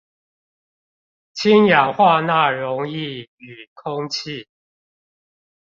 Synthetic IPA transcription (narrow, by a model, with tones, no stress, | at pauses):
t͡ɕʰi˦nja˨˩ŋxwa˥˧na˥˨ɻʊ˨˧˦ŋi˥˨y˨˩kʰʊ˦ŋt͡ɕʰi˥˨